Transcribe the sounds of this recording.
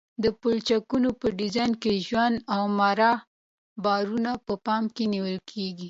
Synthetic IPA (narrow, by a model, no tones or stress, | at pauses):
d̪əpolt͡ʃakunopəɖɪzɑjnkeʒwand̪awmaɾɑ | bɑɾunapəpɑmkeniwəlkʰeɡi